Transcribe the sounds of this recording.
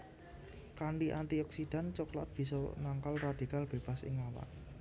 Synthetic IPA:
kaɳɖiʔant̪iɔksid̥a̤nt͡ʃɔklat̪̚b̥i̤sɔnaŋkalrad̪̥i̤kalb̥eb̥a̤sɪ̰ŋawa̰ʔ

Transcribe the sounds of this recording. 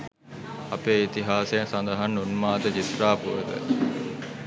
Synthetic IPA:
ɐpeːit̪iɦaːsejɐsɐnd̪ɐɦanːunmaːt̪əd͡ʒit̪raːpuʋəd̪ə̰

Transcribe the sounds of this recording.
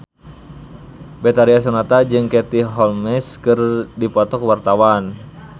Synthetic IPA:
bɛt̪aɾias̬unat̪ad͡ʒɨŋkɛt̪iɦɔlmɛskɨrdipɔt̪ɔkwart̪awan

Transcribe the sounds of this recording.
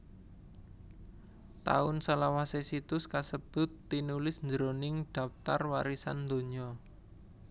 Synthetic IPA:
t̪a̰ʊnsəlawasesit̪ʊskasəb̥ʊ̤t̪ːinulɪsɲd͡ʒəɾonɪŋɖ̪̥a̤pt̪arwaɾisand̪o̤ɲɔ

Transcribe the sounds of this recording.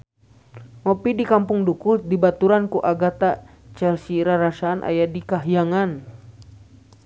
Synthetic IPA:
mɔpidikampuŋdukudibat̪uɾankuʔaɡat̪a | t͡ʃɛlsiɾaɾasaːnʔa̰jadikaɦjaŋan

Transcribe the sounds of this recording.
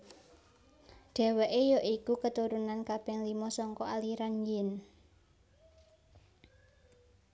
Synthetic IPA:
ɖ̪̥ɛ̤wɛʔejɔʔikukət̪uɾunankabɪŋlimɔsɔŋkɔaliɾanjɪn

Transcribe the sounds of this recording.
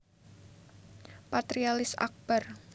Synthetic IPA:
pat̪ɾialɪsa̰k̚b̥ar

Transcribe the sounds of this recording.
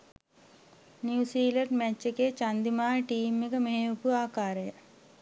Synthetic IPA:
njuːsiːlɐɾɖmɛt͡ʃːɐket͡ʃɐnd̪imaːʈiːmikɐmeeupuaːkaːɾɐjɐ

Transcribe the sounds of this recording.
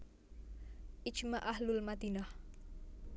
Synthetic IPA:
ʔɪ̥d͡ʒmaʔahlʊlmat̪inah

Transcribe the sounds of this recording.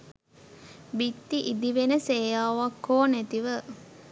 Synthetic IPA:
bit̪ːiʔid̪iʋenəseːjaːʋakːoːnæt̪iʋə

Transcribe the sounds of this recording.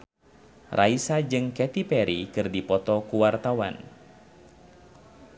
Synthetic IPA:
rʔaisad͡ʒɨŋkɛt̪ipɛɾikɨrdipɔt̪ɔkuwart̪awa̰n

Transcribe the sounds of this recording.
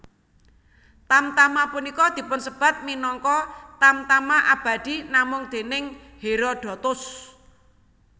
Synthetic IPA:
t̪amt̪amapunikɔd̪̥i̤pʊnsəb̥ä̤t̪̚minɔŋkɔt̪amt̪amaʔab̥a̤d̪̥i̤namʊŋd̪̥e̤nɪŋ | heɾɔɖ̥ɔ̤t̪ʊs

